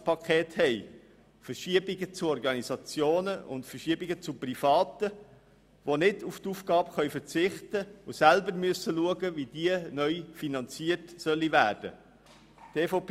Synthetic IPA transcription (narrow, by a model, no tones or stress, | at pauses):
pʰɑkʰɛːthɛɪ | fərʃiəbɪɡət͡suɔrɡɑnisɑt͡sjoːnəʊ̰ntfərʃiəbiɡət͡suprifɑːt̪ə | ʋonɪduftuːfɡ̥ɑːbχœʏfəɾt͡sɪχtəʊsælbəɾmyəsəluəɡəvid̥iənœʏfinɑnt͡siərtsœlːivæːrd̥ə̰ | tʰeːfop